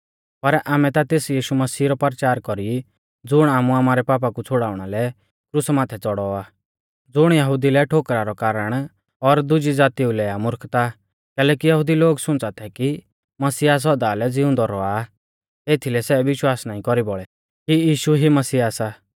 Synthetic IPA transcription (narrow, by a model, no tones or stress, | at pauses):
pɐɾaːmɛt̪at̪eːsjiːʃumɐsiːɾɔpəɾt͡ʃaːɾkɔɾi | d͡zʊɽ̃aːmuaːmaːɾɛpaːp̬akut͡sʰʊɽaːʊɽ̃alɛ | kɾusmaːt̪ʰɛt͡sɔɽɔaː | d͡zʊɽ̃jɐɦʊd̪ilɛʈʰoːkɾaɾɔkaːɾəɽ̃ | ɔɾd̪ʊd͡ʒid͡zaːt̪iũlɛːamʊɾkt̪a | kɛːlɛːkijɐɦʊd̪iloːɡsʊ̃nt͡sat̪ʰɛki | mɐsɪas̬ɔd̪aːlɛd͡zɪʊ̃nd̪ɔɾɔa | eːt̪ʰilɛsɛʋɪʃwaːsnaːĩkɔɾibɔɭɛ | kijiːʃuɦimɐsiːaːsa